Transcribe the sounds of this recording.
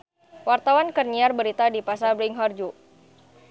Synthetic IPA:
wart̪awankərɲiarbəɾit̪adipasabɾiŋɦɔrd͡ʒu

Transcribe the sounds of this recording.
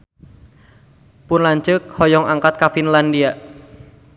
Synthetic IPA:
pʊnlaɲt͡ʃəkhɔjɔŋaŋkat̪̚kafinlandiaʔ

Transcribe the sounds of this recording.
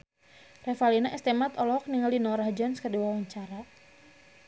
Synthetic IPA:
rɛfalinaʔɛst̪ɛmat̪ɔlɔɔk̚niŋaldinɔɾahd͡ʒɔnskədiwawaɲt͡ʃaɾa

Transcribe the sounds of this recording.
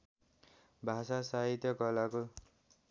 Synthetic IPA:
bʱasasaɦit̪jʌɡʌlako

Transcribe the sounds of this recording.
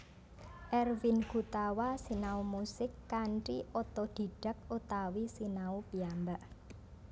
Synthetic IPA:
ʔɛrvinɡ̥ut̪awasinaumusɪkːaɳʈiʔɔt̪ɔd̪̥i̤ɖ̥ə̤k̚ut̪awisinaupiambaʔ

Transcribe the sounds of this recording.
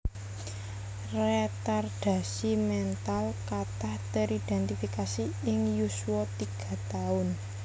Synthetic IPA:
rɛt̪arɖ̥ä̤simɛnt̪alkat̪aht̪əɾid̪̥ɛnt̪ifikasiɪŋjusuwɔt̪iɡ̥ä̤t̪aʊn

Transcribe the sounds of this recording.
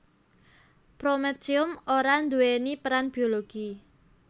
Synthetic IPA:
pɾomɛtiʊmoɾand̪uwenipəɾanb̥ioloɡ̥i

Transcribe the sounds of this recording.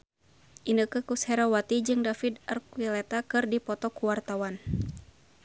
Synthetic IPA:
ʔinəkəkushɛɾawat̪id͡ʒɨŋdafidarkwilɛt̪akɨrdipɔt̪ɔkuwart̪awan

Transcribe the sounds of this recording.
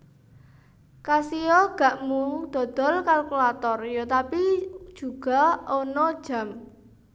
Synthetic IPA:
kasiɔɡ̥a̤ʔmud̪̥ɔ̤d̪̥ɔ̤lkalkulat̪ɔrjot̪apid̥ʒ̥ṳɡ̥a̤ɔnɔd̥ʒ̥a̤m

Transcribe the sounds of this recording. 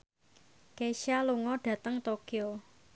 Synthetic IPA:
keʃaluŋɔɖ̥ä̤t̪əŋt̪okio

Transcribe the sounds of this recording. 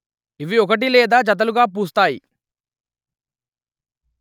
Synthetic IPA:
iʋiɔk̬ɐʈ̬ilɛːd̪aːd͡ʒɐt̪̬ɐluɡaːp̬uːs̬t̪aːjḭ

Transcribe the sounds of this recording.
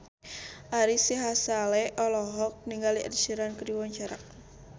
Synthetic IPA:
ʔaɾisiɦasalɛʔɔlɔɦɔk̚niŋɡaliʔə̰dsiɾankəɾiwɔɲt͡ʃaɾa̰k̚

